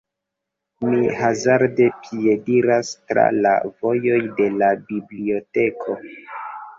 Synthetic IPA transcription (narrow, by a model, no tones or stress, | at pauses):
mihazaɾde̞pʰie̞diɾastɾa̰la̰vo̞jo̞jde̞labiblio̞te̞kʰo̞